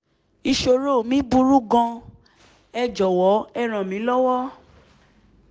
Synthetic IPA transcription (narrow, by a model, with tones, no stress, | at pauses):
i˧ʃo˧ɾo˦˨mĩ˦bu˧˦ɾu˦ɡɔ̃˧ | ɛ˧d͡ʒɔ˨wɔ˨˦ɛ˦˨ɾ̃ã˨mĩ˨˦lɔ˦wɔ˦